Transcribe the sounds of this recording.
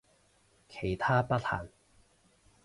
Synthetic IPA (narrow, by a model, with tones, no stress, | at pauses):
kʰe˨˩jt̪ʰaː˥pɐ˥t̚ha̰ː˨˩ŋ